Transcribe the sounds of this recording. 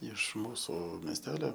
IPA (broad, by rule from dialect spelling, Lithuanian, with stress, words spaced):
ɪʃ ˈmuːsʊ mʲɛsʲˈtʲæːlʲoː